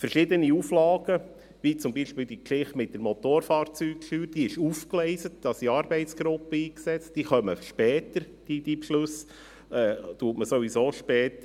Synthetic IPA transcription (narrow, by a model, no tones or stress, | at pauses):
fəɾʃɪd̪əniuflɑːɡ̥ə | ʋit͡sʊmbiːʃpiːld̪ikʃɪχtmɪt̚d̥əɾmot̪oːɾfɑːrt͡syːkʃyːɾd̥iːɪʃufklɛɪsət̚d̥ɑsiɑːɾbɛɪt͡sɡ̥ɾʊpːəiːksɛt͡std̥iːχœməʃpɛːt̪əɾ | d̥id̥̪ipʃlʉs | ɛːt̪uːtməsovizoːʃpɛːt̪